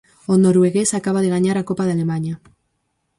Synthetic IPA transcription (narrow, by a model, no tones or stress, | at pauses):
onoɾweɣesakaβ̞aðeɣaɲaɾakopaðalemaɲa